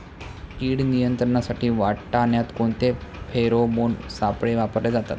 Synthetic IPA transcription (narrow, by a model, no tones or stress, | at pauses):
iːɽnijənt̪ɾəɳasaʈiːʋaʈʈaɳjat̪koɳt̪epʰeɾomonsapɽeʋapəɾled͡zat̪a̰t̪